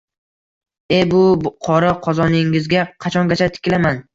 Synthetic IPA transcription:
e̞bʊqʰɒɾaqʰɒzɒnɪŋɪzɡʲaqʰɑt͡ʃʰɒŋɡʲat͡ʃʰat̪ʰɪ̥kʲɪlaman

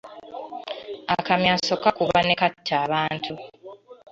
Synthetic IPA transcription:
akamjaːso̞kakuβane̞katʰːaːβaːntʰu

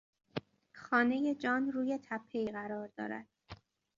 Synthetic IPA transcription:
xɒːne̞je̞d͡ʒɒːnruːje̞t̪ʰæpʰːe̞iːɣæɾɒːɾd̪ɒ̰ːɾæ̰d̪̥

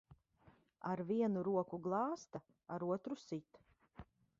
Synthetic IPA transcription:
aɾviɛnuɾuɔkuɡlˠɑːst̪a | aɾuɔt̪ɾusit̪

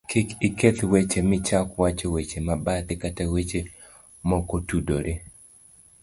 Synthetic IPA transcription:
kʰɪkɪket̪wet͡ʃemɪt͡ʃakwat͡ʃɔwet͡ʃemabat̪ɪkatawet͡ʃe | mɔkotudoɾʔe

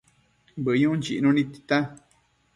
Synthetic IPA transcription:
bəɲũnd͡ʒḭʔnũnĩt̪i̥t̪ã

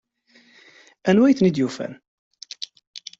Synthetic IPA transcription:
ænwæjθnid̪jufæ̰n

